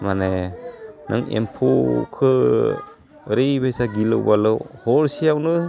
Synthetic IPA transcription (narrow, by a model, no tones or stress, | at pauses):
mane | nɯ̰ŋḛmpʰokʰɯ | ɾejbajsaɡilɯ̰wbalɯwhɔɾsijawnɯ